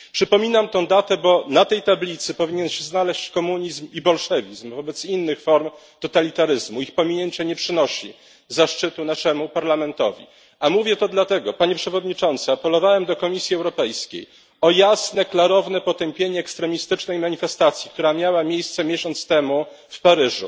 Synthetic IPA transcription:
pʂɘpɔmʲinamt̪ɔ̃w̃d̪at̪ɛbɔnat̪ɛjt̪ablʲit̪sɘpɔvʲiɲɛnɕɛznalɛɕt͡ɕkɔmuɲizmibɔlʂɛvʲizmvɔbɛt̪sinːɘxfɔɾm | t̪ɔt̪alʲit̪aɾɘzmuixpɔmʲiɲeɲt͡ɕɛɲɛpʂɘnɔɕḭ | zaʂt͡ʂɘt̪unaʂɛmupaɾlamɛnt̪ɔ̰vʲḭ | amuvʲjɛt̪ɔd̪lat̪ɛɡɔpaɲɛpʂɛvɔd̪ɲit͡ʂɔnt̪sɨapɛlɔvawɛmd̪ɔkɔmʲisʲjiɛwɾɔpɛjskʲḛj | ɔjasnɛklaɾɔvnɛpɔt̪ɛmpʲjeɲɛːkst̪ɾɛmʲist̪ɘt͡ʂnɛjmaɲifɛst̪at̪sʲjikt̪uɾamʲjawamʲjejst̪sɛmʲjeɕɔnt̪st̪ɛmu | fpaɾɘʐṵ

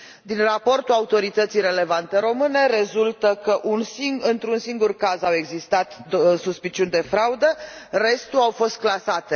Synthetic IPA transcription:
d̪inrapo̞rt̪uaut̪o̞ɾit̪ət̪sijre̞le̞vant̪e̞ɾo̞mɨne̞ɾe̞zult̪əkəʔunsiɨnt̪ɾunsiŋɡurkazawe̞ɡzist̪at̪suspit͡ʃiund̪e̞fɾaud̪əre̞st̪uawfo̞st̪̚klasat̪e

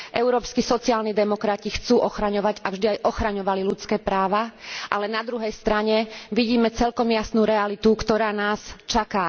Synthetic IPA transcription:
ʔɛʊɾɔːpskisɔt͡siɪaːlnid̪ɛmɔkɾacixt͡suːʔɔxɾaɲɔʋaɟavʒd̪iajʔɔxɾaɲɔʋalilut͡skɛːpɾaːʋaʔalɛnad̪ɾuɦɛjst̪ɾaɲɛʋiɟiːmɛt͡sɛlkɔmjasnuːɾɛalit̪ukt̪ɔɾaːnaːst͡ʃakaː

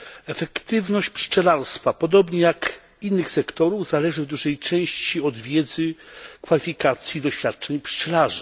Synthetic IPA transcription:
ɛfɛkt̪ɘvnɔɕt͡ɕpʂt͡ʂɛlaɾst̪fapɔd̪ɔbɲɛjak | inːɘxsɛkt̪ɔɾuvzalɛʐɘvd̪uʐɛjt͡ʂɛ̃w̃ɕt͡ɕiɔd̪vʲjɛd̪zɘkfalʲifʲikat̪sʲjid̪ɔɕfʲjat̪̚t͡ʂɛɲpʂt͡ʂɛlaʐɨ

